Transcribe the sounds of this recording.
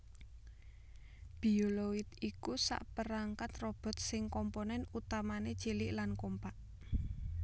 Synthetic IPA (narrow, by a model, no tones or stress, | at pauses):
b̥i̤olowit̪ikusa̰ʔpəɾaŋkat̪rɔb̥ɔ̤t̪̚sɪŋkɔmponɛnut̪amane̥t͡ʃelɪʔlankompaʔ